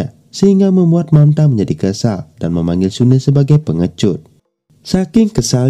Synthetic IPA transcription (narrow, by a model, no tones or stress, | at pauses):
a | səhiŋɡamə̃mbuat̪̚mant̪aməɲd͡ʒadikəsa̰ldanməmãŋɡɪlsunəsəbaɡajpəŋət͡ʃʊt̪̚ | sakɪŋkəsal